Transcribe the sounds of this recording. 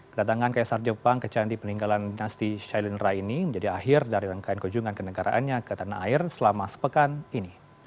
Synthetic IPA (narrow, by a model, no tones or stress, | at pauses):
kədat̪aŋankajaʔsard͡ʒəpaŋkət͡ʃandipəniŋɡalandinast̪iʃajlənrainiməɲd͡ʒadiaɦɪrdaɾiɾaŋkajankuɲd͡ʒuŋankənəɡaɾʔa̰ʔanɲakət̪anaʔairsəlamasə̥pəkanini